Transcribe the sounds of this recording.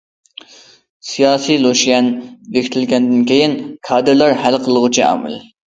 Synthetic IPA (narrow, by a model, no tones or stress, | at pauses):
sijɑːsijlˠoʃjɛnvekʰʲi̥t̪ʰɪlɡʲɛnd̪ɪnkʲʰejɪnkʰɑːd̪ɨɾlˠɑɾhælqʰəlˠəʁʊt͡ʃʰiɑ̰ːmɨ̰l